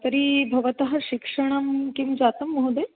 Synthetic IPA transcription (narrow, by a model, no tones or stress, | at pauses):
t̪ɐɾibʱɐʋɐt̪ɐɦɐɕikʂɐɽ̃ɐmkimd͡zat̪ɐmːɐɦud̪e